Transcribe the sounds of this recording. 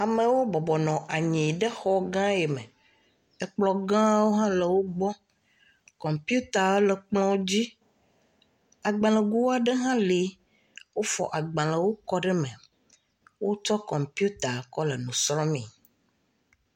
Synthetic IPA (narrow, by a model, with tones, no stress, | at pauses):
a˨mẽ˨wo˦bɔ˨bɔ˨nɔ̃˨ʔa˨ɲĩ˨ɖe˦xɔ˦ɡã˦e˨me˨ | e˨k͡plɔ˨ɡã˦wo˦ɦã˦le˨wo˦ɡ͡bɔ˦ | kɔ̃˨mpju˦t̪a˨˦le˨k͡plɔ̃˦d͡ʑi˦ | a˨ɡ͡bã˨lə̃˨ɡu˦wa˨ɖe˦ɦã˦li˨˦ | wo˦fɔ̰˨ʔa˨ɡ͡bã˨lə̃˨wo˦kɔ˦ɖɛ˦mẽ˨ | wo˦t͡ʃɔ˦kɔ̃˨mpi˦u˦t̪a˨kɔ˦le˨nũ˨sɾɔ˦mḭ̃˨